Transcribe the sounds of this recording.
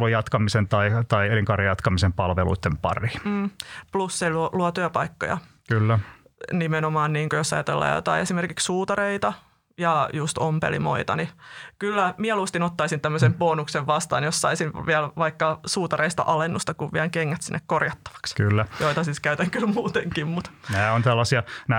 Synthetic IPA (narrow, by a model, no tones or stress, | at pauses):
lujɑt̪kɑmisent̪ɑit̪ɑieliŋkɑrijɑt̪kɑmisempɑlʋelṵit̪ːempɑ̰rim̩ːplusseluluot̪yɑpɑikːo̰jɑ̰ | kylːæ | nimenomɑːnniːŋkojosɑjɑt̪ḛlːɑ̰ːjo̰t̪ɑ̰iesimerkikssuːt̪ɑɾeit̪ɑ | jɑjust̪ompḛlḭmo̰it̪ɑ̰nikylːæmiælust̪inot̪ːɑisint̪æmːøsempoːnukseʋʋɑst̪ɑ̰ːnjossɑisinʋiælʋɑikːɑsuːt̪ɑreist̪ɑ̰ʔɑlenːust̪ɑkuʋʋiælkeŋːæt̪sinːekkorjɑt̪ːɑ̥ʋɑ̥kskylːæjoit̪ɑsiːskæyt̪æŋkylmuːt̪eŋkimmut̪næːont̪ælːɑsiɑnæ